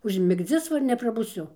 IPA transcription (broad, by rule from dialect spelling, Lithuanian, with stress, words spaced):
ʊʒʲmʲɪɡˈd͡zʲɪs ˈʋɐ ɪr nʲɛprɐbʊˈsʲʊ